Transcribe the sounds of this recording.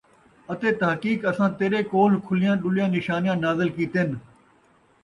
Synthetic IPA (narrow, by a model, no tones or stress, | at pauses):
ət̪eːt̪əɦkiːkəsãːt̪eːɾeːkoːlkʰʊlɪjãːɗʊlɪjãːnɪʃaːnɪjãːnaːzɪlkiːt̪eːn